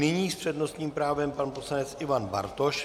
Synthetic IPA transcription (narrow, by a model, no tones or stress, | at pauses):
nɪɲiːspr̥ɛd̪no̞st̪ɲiːmpɾaːvɛmpanposlanɛt͡sʔɪvanba̰ɾt̪o̞ʃ